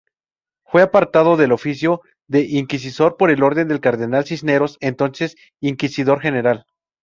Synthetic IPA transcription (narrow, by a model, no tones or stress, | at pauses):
fwe̞apaɾt̪að̞o̞ðe̞lo̞fisjo̞ | ðe̞ʔiŋkis̬iso̞ɾpo̞ɾe̞lo̞ɾðe̞nd̪e̞lkaɾðe̞nalsisne̞ɾo̞se̞nt̪o̞nse̞s | iŋkisið̞o̞ɾxe̞ne̞ɾal